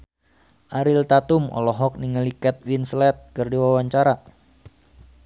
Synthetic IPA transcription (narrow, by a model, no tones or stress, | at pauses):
ʔaɾilt̪at̪umɔ̰lɔɦɔk̚niŋəlikɛt̪̚winslɛt̪̚kɨrdiwawaɲt͡ʃaɾa